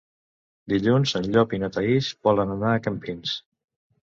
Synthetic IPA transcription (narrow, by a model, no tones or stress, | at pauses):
d̪iʎunzənʎɔpinət̪əisbɔlənənaəkəmpins